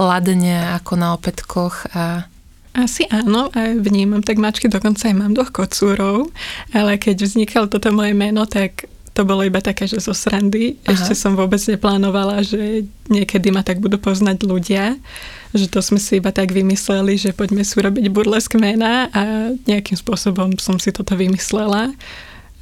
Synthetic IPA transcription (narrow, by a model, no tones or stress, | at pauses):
lad̪ɲɛakɔnaɔpɛt̪kʰɔxa | ʔasiʔaːnɔʔaʋɲiːmamt̪aɡmat͡ʃkid̪ɔkɔnt͡saːjmaːmd̪ʋɔxkɔt͡suːɾɔʊalɛkɛɟvzɲikʰalt̪ɔt̪ɔmɔjɛmɛnɔt̪ak | t̪ɔbɔlɔibat̪akɛːʒɛzɔsɾand̪iɛʃcɛsɔmʋʊɔbɛd͡zɲɛplaːnɔʋalaʒɛ | ɲɪɛkɛd̪imat̪aɡ̚bud̪uːpɔznaɟluɟɪa | ʒɛt̪ɔzmɛsiibat̪aɡʋimislɛliʒɛpɔɟmɛsiuɾɔbiɟbuɾlɛskmɛnaʔaɲɛakimspʊɔsɔbɔmsɔmsit̪ɔt̪ɔʋimislɛla